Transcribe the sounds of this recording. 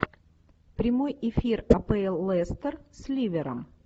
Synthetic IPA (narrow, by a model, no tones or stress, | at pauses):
pɾʲɪmojɪfʲirɐpɛɛlˠːɛst̪ərsʲlʲivʲɪɾəm